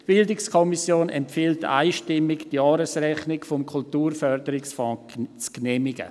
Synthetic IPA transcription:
b̥ɪldɪkskʰɔmisjoːnɛ̰mpfiːlta̰ɪʃtɪmɪkd̥jɑːɾəsrɛχnɪkfɔmkʰultuːɾfœɾdəɾɪksfɔ̃ː | t͡sknɛːmɪɡ̥ə̰

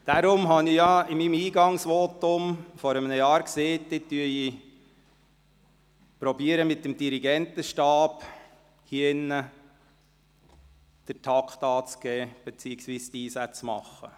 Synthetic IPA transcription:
d̥aɾʊmɦɑnijɑɪmimiːɡɑŋsʋoːt̪ʊmfɔɾəmənəjɑːɾkseːtdetːyəi | pɾɔbiəɾəmɪtːəmd̥iɾiɡɛnt̪əʃtɑːb̥ | hinːə | d̪̥əɾtʰɑkχt̪ɑːt͡sɡ̥ɛːb̥ɛt͡siːəksʋiːst̪iːsæt͡smɑ̰χːə̰

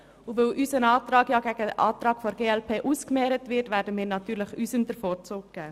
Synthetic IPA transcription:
uʋøːlʔysənɑːtɾɑːɡjɑɡæɡ̥əʔɑːt̪ɾɑːɡfoɾɡeːɛlpʰeːʔuskmɛːɾətʋɪɾtʋæːɾdəmiːɾnɑt̪yːɾləχysəmd̥̪əɾfɔːɾt͡sʊːk̚ɡ̥ɛː

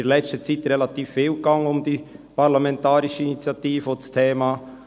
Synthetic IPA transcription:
lɛt͡stət͡sit̪ɾɛlɑt̪iːfːiːlkɑŋəʊmd̥̪ipɑɾlamɛnt̪ɑːɾɪʃəinit͡sjɑtiːfəostʰeːmɑː

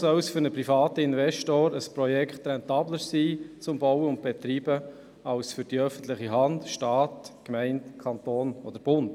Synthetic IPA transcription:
sœwsfʏɾnəpɾifɑːt̪əɪnvɛʃtoːɾəspɾɔjɛkχt̪ɾɛnt̪ɑːbləɾsiːt͡sʊmbɔwəʊnd̚b̥ɛt̪ɾiːbə | ɑʊsfʏɾd̥iœfən̩t̪lɪχiɦɑndʃtɑːtkmɛɪntkʰɑnt̪oːnɔd̥̪əɾb̥ʊnd

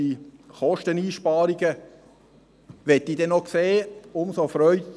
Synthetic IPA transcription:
iχɔʃtəniːʃpɑːɾiɡə | ʋɛtːidɛnokseːʊmsofɾœʏ

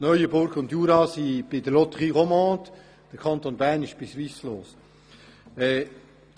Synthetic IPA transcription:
nœʏəbʊɾɡʊndjuːɾɑsib̥ɪd̥əlɔtəʁiʁɔmɑ̃ːt | d̥əkʰɑnt̪onbæːnɪʃb̥ɪsʋisloːs | ɛː

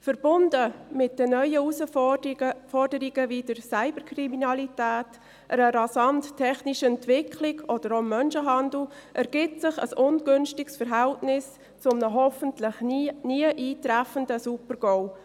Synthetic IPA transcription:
fəɾb̥ʊndəmɪt̚d̥ənœʏəusə | fɔrdəɾiɡəvidəɾsaɪbəɾkʰriminɑlitæːt | ʔəɾəɾɑsɑnttʰːɛχniʃəɛntvɪkʰlɪɡɔd̥əɾomːœnʃəɦɑndl̩ʔɛɾɡ̥ɪtsɪχə̰sʊnɡʏnʃtɪksfəɾɦæltnɪs | t͡sʊmnəɦɔfəntlɪχniəʔiːtɾæfəndəsupəɾɡɔw

